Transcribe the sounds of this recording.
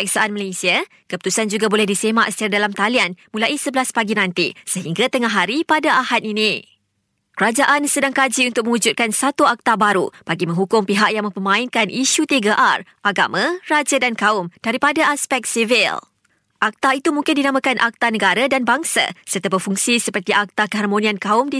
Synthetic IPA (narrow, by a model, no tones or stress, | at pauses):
ksaʔanməlesia | kəput̪usand͡ʒuɡabolɛhdisemaʔst̪iɾadalamt̪alianmulaisəbəlaspaɡinãnt̪isəɦiŋɡat̪əŋaɦaɾipadaahaninĩ | kəɾad͡ʒaʔansədaŋkad͡ʒiunt̪ʊk̚mə̃wud͡ʒut̪̚kansat̪uak̚t̪abaɾupaɡimə̃ŋɦukʊŋpiɦaʔ̚jaŋmə̃mpəmãɪnkanʔiʃut̪iɡaʔarʔaɡa̰mãrad͡ʒadankaʊmd̥aɾipadaaspɛk̚t̪sivḭl | ʔak̚t̪ait̪umũŋkɪndinãmãkanʔak̚t̪anəɡaɾadanbaŋsa̰sərt̪abəfuŋsisəpərt̪iʔak̚t̪akəɦarmonĩankaʊmdi